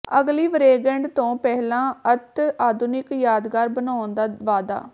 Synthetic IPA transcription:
əɡliːʋɾeːɡɛ̃ɳɖt̪õːpɛɦlãːət̪aːd̪ʱʊnɪkjaːd̪ɡaːɾbənaːond̪aːʋaːd̪a̰ː

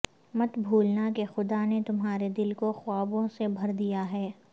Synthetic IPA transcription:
mɐt̪bʱuːlnakexʊd̪anet̪ʊmɦaːɾed̪ɪlkoxʊaːbõsebʱɐɾd̪ijaɦɛː

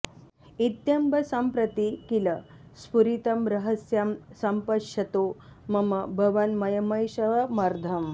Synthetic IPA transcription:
it̪jɐmbʱɐsɐmpɾɐt̪ikilɐ | spuɾit̪ɐmɾɐɦəsjɐmsɐmpɐʂɐt̪omɐmɐbʱɐʋɐnmɐjɐmɐjʃɐʋɐmɐɾd̪ʱɐm

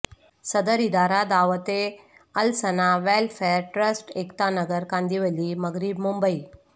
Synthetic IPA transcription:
səd̪əɾid̪aɾad̪aʋət̪e | əlsənaʋɛlfeɾʈɾəsʈekt̪anəɡəɾkãnd̪iʋəliːməɡɾibmumbəi

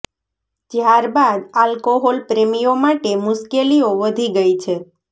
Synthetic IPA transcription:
d͡ʒjaɾbad̪alkoɦɔlpɾemijomaʈemʊʃkelioʋəd̪ʱiɡəit͡ʃʰe

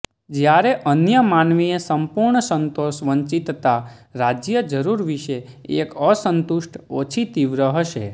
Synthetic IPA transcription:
d͡ʒjaɾeʔənjəmanʋiesəmpuɾɳəsənt̪oʃʋəɲt͡ʃit̪t̪aɾad͡ʒjəd͡ʒəɾuɾʋiʃe | ekəsənt̪uʃʈʰot͡ʃʰit̪iʋɾəɦəʃḛ

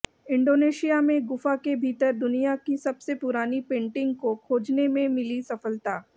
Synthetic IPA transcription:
ɪ̃ɳɖoːneːʃijamẽɡʊfakebʱiːt̪əɾd̪ʊnijakisɐbsepʊɾaːnipẽːɳʈɪ̃ŋɡkokʰoːd͡ʒnemẽmɪlisɐfəlt̪aː

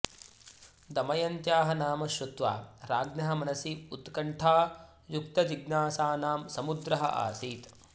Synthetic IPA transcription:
d̪ɐmɐjɐnt̪jaːɦɐnaːmɐʃɾut̪ʋa̰ːɾaːɡnɐɦɐmɐnɐsiut̪kɐɳʈʰaː | juk̚t̪ɐd͡ʒiɡnaːsaːnaːmsɐmud̪ɾɐɦɐ̰ʔa̰ːsiːt̪

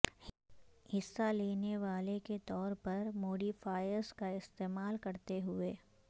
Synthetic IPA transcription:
hɪsːaleːneʋaːleket̪ɔːɾpɐɾmoːɖifaːjəɾskaɪst̪eːmaːlkɐɾt̪eɦʊeː

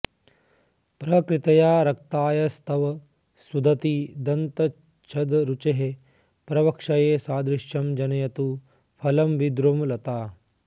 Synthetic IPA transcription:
pɾɐkɾɪt̪ɐjaːɾɐk̚t̪aːjɐst̪ɐʋɐ | sud̪ʱɐt̪id̪ɐnt̪ɐ | t͡ʃʰɐd̪ɾut͡ʃeɦe | pɾɐʋɐkʂɐjeːsaːd̪ɾɪʃjɐmd͡ʒɐnɐjɐt̪u | pʰɐlɐmʋid̪ɾomlɐt̪aː

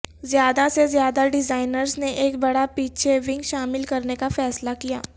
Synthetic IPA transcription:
zjaːd̪asezjaːd̪aɖɪzaːɪnəɾzneʔeːkbɐɽapiːt͡ʃʰeʋɪ̃ŋɡʃaːmɪlkɐɾnekafɛːslakijaː

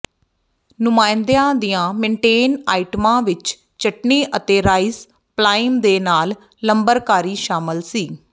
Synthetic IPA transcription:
nʊmaːɪnd̪ejãːd̪ijãːmẽːɳʈeːnaːɪʈəmãːʋɪt͡ʃ | t͡ʃəʈneːʔət̪eːɾaːis | plaːɪmd̪eːnaːlː | əmbəɾkaːɾiːʃaːmɪlsiː

